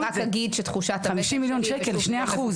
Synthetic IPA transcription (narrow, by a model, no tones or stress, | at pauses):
akaɡid̪ʃet̪χuʃatχamiʃimːiljonʃekelʃneaχu